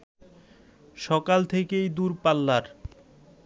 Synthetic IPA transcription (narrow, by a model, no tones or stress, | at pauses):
ʃɔkalt̪ʰekejd̪uɾpalːaɾ